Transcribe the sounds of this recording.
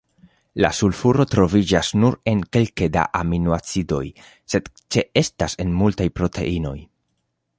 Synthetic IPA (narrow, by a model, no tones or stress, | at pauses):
la̰sulfuɾo̞tɾo̞vid͡ʒasnuɾe̞nke̞lke̞da̰ʔaminuat͡sido̞̰j | se̞d | t͡ʃe̞e̞stase̞nmultajpɾo̞tʰe̞̰ʔino̞̰j